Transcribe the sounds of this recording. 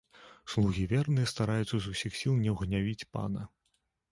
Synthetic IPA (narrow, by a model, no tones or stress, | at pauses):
slˠuɣʲivʲɛrnɨjɛst̪aɾajut̪sɐzusʲixsʲilˠnʲɛwɣnʲavʲit͡sʲpa̰nɐ